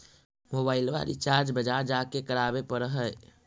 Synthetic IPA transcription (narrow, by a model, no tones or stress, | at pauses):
moːbaːɪlʋa̰ɾḭt͡ʃaːɾd͡ʒbəd͡ʒad͡ʒakekəɾaːbepəɾɦəɛ